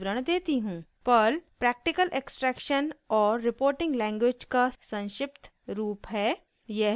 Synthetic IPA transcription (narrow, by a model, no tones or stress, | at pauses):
ɾəɽ̃d̪eːt̪iɦũːpɐlpɾɛːk̚ʈɪkəlʔeksʈɾɛːkʃənɔːɾːɪpoːɾʈɪ̃ŋɡlɛ̃ːŋɡweːd͡ʒkasɐ̃nʃɪpt̪ | ɾuːpɦɛː | jɛɦ